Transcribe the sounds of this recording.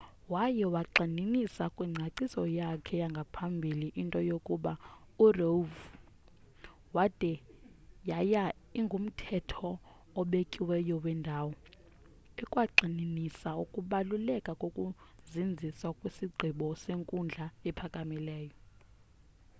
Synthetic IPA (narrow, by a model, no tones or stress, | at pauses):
wajɛwaǃininisakʼwiŋ͡ǀʱaǀisɔjakʰɛjaŋɡʱapʰambʱiliʔintʼɔjokʼuɓa | urov | wad̥ʱʼɛjaja | iŋɡʱum̩tʰɛtʰɔː | ɓekʼiwɛjɔwɛndʱawɔ | ɛkʼwaǃʱininisaukʼuɓalulɛkʼakʼokʼuzind͡zʱiswakʼwisiɡ͡ǀʱiɓɔseŋkʼund͡ɮʱaɛpʰakʼamilɛːjɔ